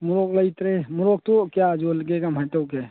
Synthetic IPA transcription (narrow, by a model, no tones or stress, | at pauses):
mʊɾokləit̪ɾemʊɾok̚t̪okjad͡ʒoləɡeɡaməʈəke